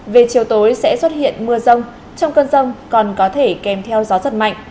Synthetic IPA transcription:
ve˨˩t͡ɕi˨˩əwt̪o˨˦jsɛ̰˧˥swə˦˥t̚hḭ˧˨ənmɨ˧əzə˧wŋ͡m | t͡ɕɔ˧wŋ͡mkəː˧nzə˧wŋ͡mkɔ˨˩nkɔ˨˦t̪ʰe˧˩kɛ˨˩mt̪ʰɛ˧wzɔ˨˦zə˨˩t̚ma̰˧˨jŋ̟

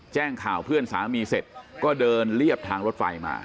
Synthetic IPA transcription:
t͡ɕɛː˥˩ŋkʰaː˨˩wpʰɯ˥˩ənsaː˩˦miː˧se˨˩t̪̚kɔː˥˩dɤː˧nli˥˩əp̚t̪ʰaː˧ŋɾo˦˥t̪̚fa̰˧jma̰ː˧

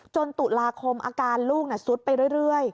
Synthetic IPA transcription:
t͡ɕo˧nt̪u˨˩laː˧kʰo˧mʔa̰ː˧kaː˧nluː˥˩k̚na˧˩su˨˦˥t̪̚pa˧jɾɯ˥˩əjɾɯ˥˩əj

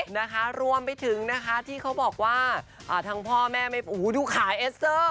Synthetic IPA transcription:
na˦˥kʰa˦˥ɾu˧əmpa˧jt̪ʰɯ˨˩˦ŋna˦˥kʰa˦˥t̪ʰiː˥˩kʰa˦˥wbɔː˨˩k̚waː˥˩ʔaː˨˩t̪ʰa˧˥ŋpʰɔː˥˩mɛː˥˩ma˥˩ʔuː˨˦duː˧kʰaː˩˦jʔeː˦˥st̪ɤː˥˩

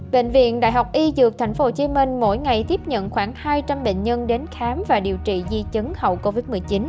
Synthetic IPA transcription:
ɓḛ˧˨n̟vḭ˧˨ənɗa̰ː˧˨jɦa˨˩wk͡p̚ʔi˧zɨ˨˩ək̚t̪ʰa˨˦jŋ̟fo˨˦t͡ɕi˨˦mï˧ŋ̟mo̰˧˥jŋa˨˩jt̪i˦˥p̚ɲə̰˧˨nxwaː˧˩ŋhaː˧jt͡ɕa˧mɓḛ˧˨n̟ɲə˧nɗe˨˦nxaː˨˦mvaː˨˩ɗi˨˩əwt͡ɕḭ˧˨zi˧t͡ɕɨ˨˦ŋhə̰˧˨wko˧vi˦˥t̚mɨ˨˩əjt͡ɕi˨˦n

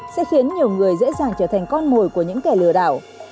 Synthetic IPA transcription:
sɛ̰˧˥xi˨˦ənɲi˨˩əwŋɨ˨˩əjzḛ˧˥zaː˨˩ŋt͡ɕəː˧˩t̪ʰa˨˩ŋ̟kɔ˧nmo˨˩jku˧˩əɲɨ̰˧˥ŋkɛ˨˧˩lɨ˧˩əɗa̰ː˧˩w

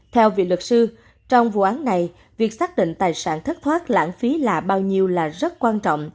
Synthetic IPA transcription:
t̪ʰɛ˧wvḭ˧˨lwɨ˨˩k̚sɨ˧ | t͡ɕɔ˧wŋ͡mvṵ˧˨ʔaː˨˦nna˨˩j | vi˨˩ək̚saː˦˥k̚ɗḭ̈˧˨ŋ̟t̪aː˨˩jsa̰ː˧˩nt̪ʰə˦˥t̚t̪ʰwaː˦˥t̚la̰ː˧˥nfi˨˦laː˨˩ɓaː˧wɲi˧əwlaː˨˩zə˦˥t̚kwaː˧nt͡ɕɔ̰˧˨wŋ͡m

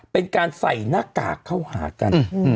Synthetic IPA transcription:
pe˧nkaː˧nsa˨˩jnaː˦˥˩ka̰ː˨˩kʰːa˥˩whaː˩˦ka˧n

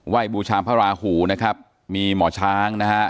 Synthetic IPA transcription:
wa˥˩jbuː˧t͡ɕʰaː˧mpʰaː˦˥˩ɾaː˧huː˩˦na˦˥kʰɾa˦˥p̚ | miː˧mɔː˩˦t͡ɕʰaː˧˥ŋna˦˥kʰa˦˥ʔ

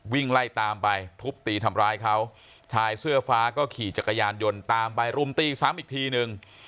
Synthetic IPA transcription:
wi˥˩ŋla˥˩jt̪aː˧mpa˧jt̪ʰu˦˥p̚t̪iː˧t̪ʰa˧mɾaː˧jkʰa˦˥w | t͡ɕʰaː˧jsɯ˥˩ɐfaː˦˥kɔː˥˩kʰiː˨˩t͡ɕa˨˩kːa˧jaː˧njo˧nt̪aː˧mpa˧jɾu˧˩mt̪iː˧saː˩˦mʔiː˨˩k̚t̪ʰiː˧nɯ˧ŋ

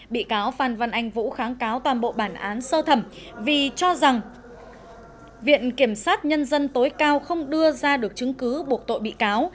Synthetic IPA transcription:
ɓḭ˧˨kaː˨˦wfaː˨˩nva˧˩nʔa˨˧jŋ̟vṵ˧˥xaː˨˦ŋkaː˨˦wt̪waː˨˩nɓo̰˧˨ɓaː˧˩nʔaː˨˦nsəː˧t̪ʰə˧˩m | vi˨˩t͡ɕɔ˧za˨˩ŋ | vḭ˧˨ənki˧˩əmsaː˦˥t̚ɲə˧nzə˧nt̪o˨˦jkaː˧wxə˧wŋ͡mɗɨ˧əzaː˧ɗɨ˨˩ək̚t͡ɕɨ˨˦ŋkɨ˨˦ɓu˨˩ək̚t̪o̰˧˨jɓḭ˧˨kaː˨˦w

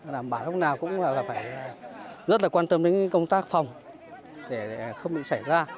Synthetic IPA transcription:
ɗaː˨˩mɓaː˧˩lʊ˦˥k͡p̚naː˨˩wkʊ̰˧˥ŋ͡ma̰˧˨˩laː˨˩faː˧˩jzə˦˥t̚laː˨˩kwaː˧nt̪ə˧mɗḛ˧˦˥ŋkkə˧wŋ͡mt̪aː˦˥k̚fa˨˩wŋ͡m | ɗe˧˩xə˧wŋ͡mɓḭ˧˨sa˧˩jzaː˧

